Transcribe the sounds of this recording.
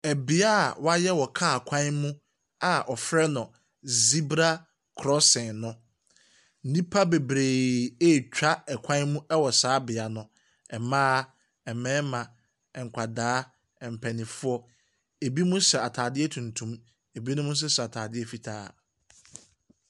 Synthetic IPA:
æ˨bi˨a˦˨wa˦jɛ˦wɔ˨kʰa˦a˨kʷʰã˦mʊ̃˦ | a˨ʔɔ˨fɾɛ˦nʊ̃˨ | zi˦bɾa˦ | kʰɾɔ˦sɛ̃˨nnʊ̃˦ | n̩˦nĩ˦pʰa˦be˨bɾe˨e˦˨t͡ɕᶣa˦ɛ˨kʷʰã˦mũ˦ɛ˦wɔ˨saː˨˦bɪ˨a˨nʊ̃˨ | ɛ˨mãː˦ | ɛ˨mɛ̃ː˦mã˨ | ɛ˨ŋ̩˨kʷʰa˨daː˨˦˨ | m˨pʰɛ˨nɪ̃˨fʊ˦ɔ˦ | e˨bi˦mũ˦sɛ˨a˨tʰaː˨dɪ˦ɛ˦tʰũ˨ntʰũ˦m | e˨bi˦nʊ̃˦mʊ̃˦s̬ɛ˦sɛ˨a˨tʰaː˨dɪ˦ɛ˦fi˨tʰa̰ː˦

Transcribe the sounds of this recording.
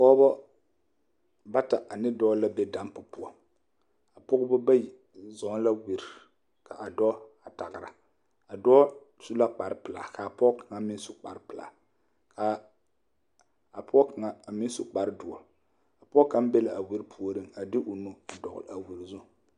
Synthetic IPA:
pɔ˦bɔ˦ | ba˦ta˨ʔa˨nɪ˦dɔː˦la˦bɛ˦da˦mpʊ˨pʊ˦ɔ˦ | a˨pʊ˦ɡbɔ˦ba˦ji˨ | zɔ˨˦ŋ˦la˦wi˨ɾ | ka˨ʔa˨dɔː˦a˨ta˨ɣɪ˨ɾa̰˨ | a˨dɔ˦ | su˦la˦k͡pa˨ɾɪ˦pɨ˨la̰˨ka˨pɔ˦ka˨ŋa˨mɪ˦n˦sʊ˦k͡pa̰˨ɾpɨ˨la̰˨ | kʰa˨ | a˨pʊ˦ɔ˦ka˨ŋa˨mɪ˦sʊ˦k͡pa˨ɾɨ˦dʊ˨ɔ̰˨ | a˨pʊ˦ɔ˦ka˦m˦bɛ˦la˨a˨wi˦ɾpʰu˦o˦ɾɨ˦ŋa˨dɪ˦ʔʊ˨nu˦a˨dɔ˨ɣʊ̰˨la˨wi˨ɾzʊ˦˨

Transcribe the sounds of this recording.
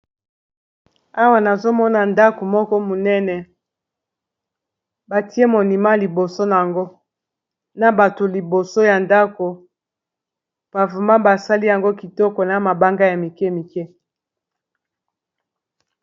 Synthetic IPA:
a˦wa˨na˨zo˦mɔ˦na˨nda˦ko˨mɔ˦kɔ˦mo˨nɛ˦nɛ˨ | ba˨ti˦e˦mo˨ni˨ma˦li˨bo˨so˦na˨ŋɡo˦ | na˨ba˨to˨li˨bo˨so˦ja˨nda˦ko˨ | b̥a˨vu˨ma˦ba˨sa˦li˦ja˨ŋɡo˦ki˨tɔ˦kɔ˨na˨ma˨ba˦ŋɡa˦ja˨mi˨kɛ˦mi˨kɛ˦

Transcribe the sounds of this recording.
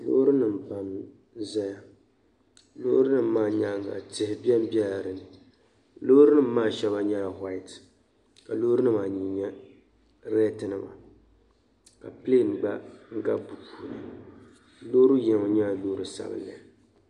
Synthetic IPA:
lo̰ː˦ɾɨ˦nɨ˨m̩˨pa˨m | za˦ja˦ | lo̰˦ɾʊ˦nɨ˦m̩ː˦aː˦˨ɲa˦ŋa̰˨tɪ˦hɪ˨bɛ˦m˦bɛ˦lɾɨ˨nɨ˨ | lo˦ɾɨ˦nɨ˦m̩ː˦aː˦˨ʃɛ˦ba˦ɲa˦˨ɦwa˦ɪ˨t | ka˨lo˦ɾɨ˦nɨ˦maː˨ɲi˨ɲɛ˦ | ɾɛ˦tɨ˦nɨ˨ma̰˨ | ka˨ple˦˨n˨ɡ͡ba˦ŋ̩˦ɡa˦bu˨pu˨nɨ˨ | lo˦ɾu˦jɛ˨ŋa˨ɲa˦˨loː˦ɾɨ˦sa̰˦bɨ̰˦lːa˨

